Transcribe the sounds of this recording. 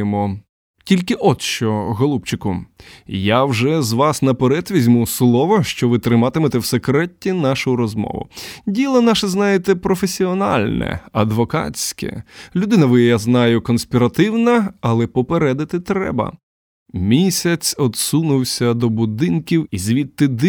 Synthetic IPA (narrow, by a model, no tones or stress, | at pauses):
emɔ | tʲilʲkɪʔɔd̪ʃt͡ʃɔɣɔlˠup̚t͡ʃɪkʊjawʒɛzʋɑsnɐpeɾɛt̪ʋʲizʲmuslˠɔʋɔʃt͡ʃɔʋɪt̪ɾɪmɑt̪ɪmet̪ɛwsekɾɛtʲːinɑʃʊjɾɔzmɔ̰ʋʊ̰dʲilˠɔnɑʃɛznɑjet̪ɛpɾɔfesʲiɔnɑ̰lʲnɛ̰ɐ̰d̪ʋɔkɑ̰sʲkɛ̰lʲʊd̪ɪnɐʋɪjjaznɑjʊkɔnsʲpʲiɾɐt̪ɪwnɐɐlˠɛpɔpeɾɛd̪ɪt̪ɪt̪ɾɛ̰bɐ̰ | mʲisʲɐt͡sʲɔd̪sunʊwsʲɐd̪ɔbʊd̪ɪnkʲiwizʲʋʲit̪ːɪd̪